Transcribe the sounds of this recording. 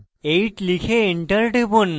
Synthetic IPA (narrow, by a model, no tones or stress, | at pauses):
eiʈlikʰeːɳʈəɾʈibun